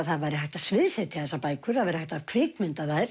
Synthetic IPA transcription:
ðθaðvajɾɪhajht̪asvɪðsɛt̪ʰɪθɛsːapaːjkʰʏ̥θaðvajɾɪhajht̪av̥kʰɾɪkmʏnt̪aðajɾ

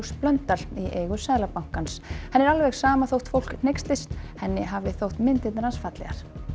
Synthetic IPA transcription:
splœnt̪aliʔeːjɣʏsɛːðlapawŋ̥kanshɛnːɛɾalvɛɣsaːmaθowht̪fowl̥kn̥ejkst̪lɪst̪hɛnːɪɦavɪθowht̪mɪnt̪ɪt̪naɾhansfat̪lɛ̰ɣa̰ɾ̥

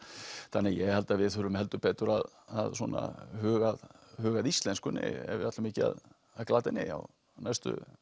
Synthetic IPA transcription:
θanːɪjɛɣhɛlt̪aðvɪðθʏɾʏmhɛlt̪ʏpɛːt̪ʏɾað | aðsɔːna̰hœːɣaðhœːɣaðist̪lɛnskʏnːɪ̰ɛ̰vat̪lʏmɪːcɪa̰ð | aklaːt̪ɪnːɪa̰w | najst̪ʏ̰

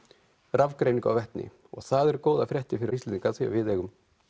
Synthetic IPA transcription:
ravkɾeːjniŋka̰wvɛht̪nɪ̰ | ɔ̰ɣθaðɛɾkoːwðafɾʲjɛht̪ɪfɪɾɪist̪lːniŋkaθɛ̰vɪðɛːɣʏm

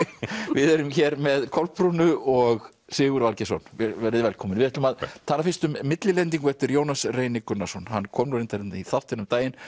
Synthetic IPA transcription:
vɪðɛɾʏmçɛɾmɛðkʰɔlpːɾunʏɔɣ | sɪːɣʏɾvalcɛsɔnvɛɾvɛɾɪðvɛlkʰɔːmɪnvɪðɛt̪lʏmaðt̪ʰaːnafɪnst̪ʏmːɪt̪lɪlɛnt̪̬iŋkvɛht̪ʏɾjoːwnasreːjnɪkʏnːasɔnhanːkʰɔːmnuɾɪnt̪aɾɪnniθawht̪ɪnʏmt̪aːjɪn

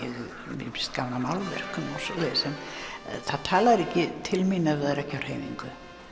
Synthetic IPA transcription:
ɛðʏ | vɪ̰mst̪kawnamawlvɛ̰r̥kʏmɔsɔlɛsɛnθaðt̪ʰaːlaɾɛcːɪt̪ʰɪlminːavɪðaɾɛcːawr̥heːjniŋkʏ

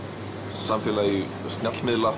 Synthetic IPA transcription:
samfɛːlai | st̪njat̪lmɪðla

